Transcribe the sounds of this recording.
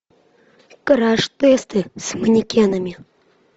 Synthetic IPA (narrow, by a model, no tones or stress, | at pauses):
kɨɾaʂt̪ɛst̪ɨsmɨnʲikʲenɐmʲi